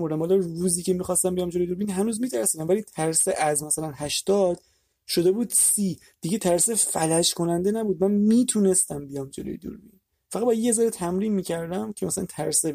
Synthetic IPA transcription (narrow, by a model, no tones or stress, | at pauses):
moɾd̪æmbɒːlɒɾuːziːcʰemixɒst̪æmbijɒmd͡ʒelojed̪uːɾbiːnɦænuːzmiːt̪ʰæɾsiːd̪æmvæliːt̪ʰæɾseʔæzmæsælænhæʃt̪ɒːd̪̥ | ʃo̞d̪ebuːd̪̥siː | d̪̥iɟet̪ʰæɾsefælæʃkʰo̞nænd̪enæbuːd̪̚mænmiːt̪ʰuːne̞st̪æmbijɒmd͡ʒelo̰jed̪ṵɾbḭːn | fæʁæd̪bɒjjezæɾet̪ʰæmɾiːnmiːcʰæɾd̪æmcʰemæsælænt̪ʰæɾse